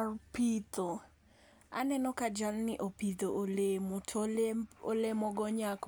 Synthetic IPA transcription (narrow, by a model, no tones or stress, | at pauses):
pit̪o | a̰nɛnɔkad͡ʒalnɪʔopit̪oʔolemʊtʰ | olemɔɡɔɲak